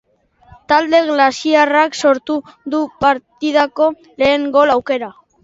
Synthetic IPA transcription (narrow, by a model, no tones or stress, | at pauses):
t̪ald̪e̞ɣlasiarakso̞ɾt̪uðupaɾt̪ið̞ako̞ | le̞ːŋɡo̞lawke̞ɾa